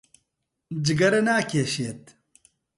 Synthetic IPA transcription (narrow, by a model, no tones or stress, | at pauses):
d͡ʒɪɡɐɾɐnaːkʰeːʃiet̪